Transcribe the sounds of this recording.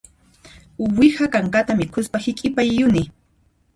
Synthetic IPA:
wɪhakaŋkat̪amɪkʰʊspahɪkʼɪpajːʊnɪ

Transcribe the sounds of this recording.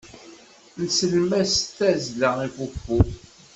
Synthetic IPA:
nsəlmæst̪ːæzləʁifufu

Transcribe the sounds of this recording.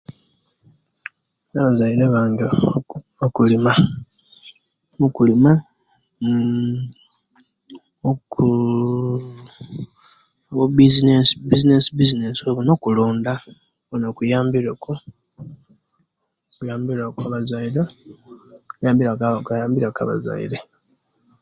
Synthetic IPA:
naβazaiɾaβaːɲɡe | okulima | mukulima | ku | βobizinesbizinesibizineswoβuno̞kuloːnd̪a | βonokujaːmbiɾeku | kujaːmbiɾakaβazaiɾe | kjaːmbiɾakajaːmbiɾaka̰βa̰za̰ḭɾe

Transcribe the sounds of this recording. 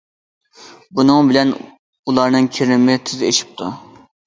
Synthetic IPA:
bunɨŋbɪlɛn | ulˠɑɾnɨŋkʲʰeɾnɪmɪt̪ʰyzeʃi̥p̚t̪ʰu

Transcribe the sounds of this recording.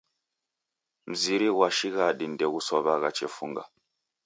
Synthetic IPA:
m̩ziɾiɣwaʃiɣaɗindɛɣusɔβaɣat͡ʃɛfuŋɡa̰

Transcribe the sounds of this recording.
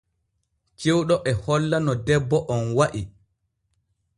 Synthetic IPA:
t͡ʃewɗɔʔɛhɔlːanɔdɛbːɔʔɔnwaʔi

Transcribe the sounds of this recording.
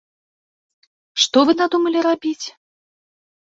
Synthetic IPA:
ʂt̪ɔvɨnad̪umɐlʲirabʲit͡sʲ

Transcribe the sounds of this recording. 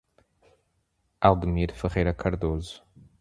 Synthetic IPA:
alˠd̪miɾfəʁɛjɾɐkʰɐɾd̪ozu̥

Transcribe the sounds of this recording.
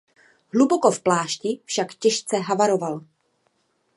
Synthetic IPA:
ɦluboko̞fplaːʃcɪfʃakcɛʃt͡sɛɦavaɾo̞val

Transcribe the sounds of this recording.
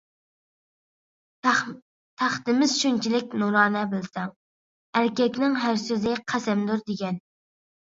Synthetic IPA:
t̪ʰæχt̪ɪmɪz̥ʃynt͡ʃʰilɪkʲnuɾɑːnɛbɪlsɛŋ | æɾkʲɛkʲnɪŋɦæɾsøzɪqʰæsɛmd̪uɾd̪ɪɡʲɛn

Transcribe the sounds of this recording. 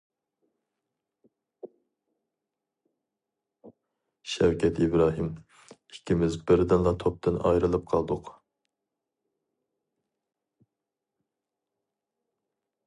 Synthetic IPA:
ʃɛwkʲʰɛt̪ʰibɾɑːɦɨm | ikʲʰːimɪzbɪɾd̪ɪnlˠɑt̪ʰop̚t̪ɨnɑ̰jɾɨlˠɨp̚qʰɑlˠd̪ʊq

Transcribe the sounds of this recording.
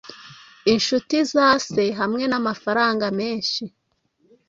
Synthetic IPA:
inʃutizaːse̞ɦamŋe̞namafaɾaːŋɡame̞ːnʃi

